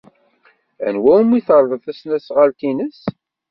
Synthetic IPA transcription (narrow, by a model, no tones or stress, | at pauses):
æ̰nwæwmiθəɾˤðˤəθæsnæsʁəlt̪inəs